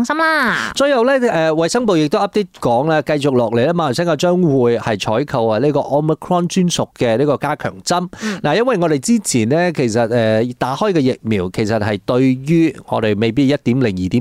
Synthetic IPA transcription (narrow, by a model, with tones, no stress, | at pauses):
ŋsɐ˥mlaː˥t͡sɵ˧jjɐ˨˧wlɛː˥ʔːwɐ˨jsɐ˥ŋp̬o˨˧wjɪ˨k̚t̪o˥wʔɐ˥p̚t̪e˥t̚kɔː˨˥ŋlaː˧kɐ˧jt͡sʊ˨k̚lɔː˨k̚le˨˩jlɛː˥maː˨˧n˨˩sɛː˥ŋkɐː˧t͡ʃœː˥ŋwuː˨˧jhɐ˨jt͡ʃʰɔː˨˥jkʰɐ˨wɐ˧liː˥kɔː˧ʔɔː˥mi˨˧kʰɹɔː˥nt͡ʃyː˥nsʊ˨kːɛː˧liː˥kɔː˧kaː˥kʰœ̰ː˨˩ŋt͡sɐ˥mnaː˨˩jɐ˥nwɐ˨jŋɔː˨˧ɾe˨jt͡siː˥t͡sʰiː˨˩nɛː˥kʰe˨˩jsɐ˨t̚ɛː˧t̪aː˨˥hɔː˥jkɛː˧jɪ˨k̚miː˨˩wkʰe˨˩jsɐ˨t̚hɐ˨jt̪ɵ˧ɥjyː˥ŋɔ̰ː˨˧ɾe˨˩jme˨jp̬iː˥t̚jɐ˥t̚t̪iː˨˥mlɪ˨˩ŋjiː˨˩t̪iː˨˦